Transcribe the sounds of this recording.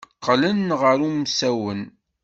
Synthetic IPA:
qʰːlənʁəɾumsæwən

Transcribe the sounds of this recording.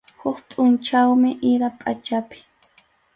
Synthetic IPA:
hʊkpʼʊnt͡ʃawmɪʔɪɾapʼat͡ʃapɪ̥

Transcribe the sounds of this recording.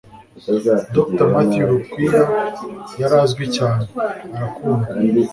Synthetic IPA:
doktamatijuɾukwiːɾajaɾazɡwicaːneɾakuːnda

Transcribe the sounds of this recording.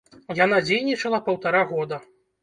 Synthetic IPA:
jan̪ad͡zʲejnʲit͡ʂɐlˠɐpɐwt̪aɾaɣɔd̪ɐ

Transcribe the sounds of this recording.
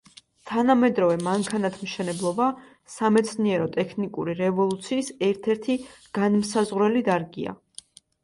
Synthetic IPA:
t̪ʰanamɛd̪ɾɔvɛmaŋkʰanat̪ʰmʃɛnɛblˠɔba | samɛt̪sʰniɛɾɔt̪ʼɛkʰnikʼuɾiɾɛvɔlˠut̪sʰiːsɛɾt̪ʰɛɾt̪ʰiɡ̥anmsazʁɾɛlid̪aɾɡḭa̰

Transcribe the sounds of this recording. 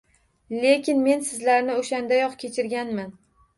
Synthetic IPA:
le̞kʲɪnme̞nsɪzlaɾnɪoʃand̪ajɒqkʲʰe̞t͡ʃʰɪɾɡʲanman

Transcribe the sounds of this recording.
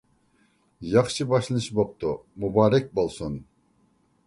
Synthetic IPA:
jɑχʃɨbɑʃlˠnɨʃbop̚t̪ʰumubɑːɾɛk̚ʲbolˠsun

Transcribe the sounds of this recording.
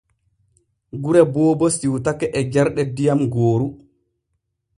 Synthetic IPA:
ɡuɾɛbɔːbɔsiwtakːɛʔɛd͡ʒɛɾɗɛdijamɡoːɾu

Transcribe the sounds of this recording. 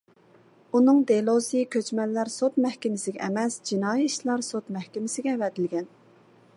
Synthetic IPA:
unɨŋd̪elˠosɨkʲʰøt͡ʃmɛlːæɾsot̪mɛhkʲɪmɪsɪɡʲɛʔɛmɛsd͡ʒinɑːjiiʃlˠɑɾsot̪mɛhkʲɪmɪsɪɡʲɛvɛd̪ɪlɡʲɛn

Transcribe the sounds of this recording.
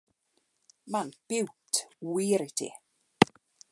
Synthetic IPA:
manb̥ɪwtʰwiːɾɪtʰḭ

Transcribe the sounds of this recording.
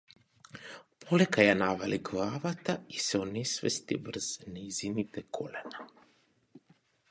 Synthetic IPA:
pʰɔlɛkajanavaliɡlˠavat̪aisɛɔnɛsvɛ̰st̪ḭvr̩z̥nɛjzinit̪ɛkʰɔlɛna

